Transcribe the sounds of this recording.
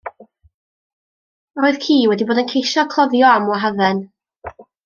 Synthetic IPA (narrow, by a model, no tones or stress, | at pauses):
roːɨð̥kʰiːwɛdiboːdənkʰejʃɔkʰlˠɔvjɔamwaɦaðɛn